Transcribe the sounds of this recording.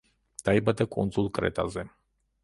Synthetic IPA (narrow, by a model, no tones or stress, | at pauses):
d̪̥aibad̪akʼɔ̰nd̪zulˠkʼɾɛ̰t̪ʼa̰zɛ